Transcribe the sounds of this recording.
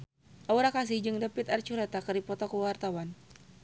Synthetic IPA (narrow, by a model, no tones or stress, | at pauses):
ʔauɾakasɪhd͡ʒɨŋdapit̪art͡ʃuɾat̪akɨrdipɔt̪ɔkuwart̪awan